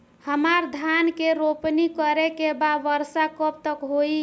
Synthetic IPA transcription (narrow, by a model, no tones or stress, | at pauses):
həmaɾd̪ʱankeɾopnikəɾekebaʋəɾsakəp̚t̪əkɦoi